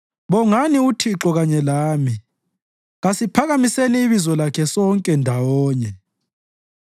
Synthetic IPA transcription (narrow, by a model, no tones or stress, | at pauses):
βɔŋaniutʰiǁɔɣaɲɛlaːmi | ɣasipʰaɣamiseniːβizɔlakʰɛsɔŋkʼɛndʱawɔːɲɛ